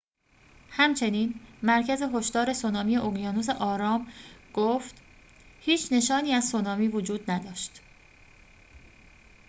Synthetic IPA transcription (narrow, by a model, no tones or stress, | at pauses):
hæmt͡ʃʰe̞niːnmæɾcʰæze̞ɦo̞ʃd̪ɒːɾe̞sonɒːmijeʔoɡijɒːnus̬e̞ʔɒːɾɒːmɡ̥oːft̪ | hiːt͡ʃʰne̞ʃɒːniːæzsonɒːmiːvod͡ʒuːd̪næd̪ɒːʃt̪